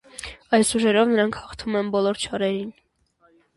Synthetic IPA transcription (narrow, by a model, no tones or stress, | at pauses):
ɑjsuʒɛɾɔvnəɾɑŋkʰhɑχt̪ʰumɛnbɔlɔɾt͡ʃʰɑɾɛɾin